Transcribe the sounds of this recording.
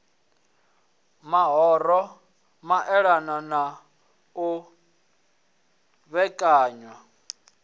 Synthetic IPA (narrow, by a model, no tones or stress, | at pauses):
maɦɔɾɔ | maʔɛɺanana | u | βɛkʼaːɲwa